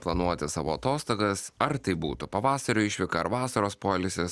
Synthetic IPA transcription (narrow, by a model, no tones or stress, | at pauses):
plˠɐnuɔt̪ʲɪsɑːʋoːɐt̪oːst̪oːɡɐsɐɾt̪ɐɪbṵːt̪ʊpɐʋɑːsɐɾʲʊɪʃʲʋʲɪkɐɐɾʋɑːsɐɾoːspoːlʲɪsʲɪs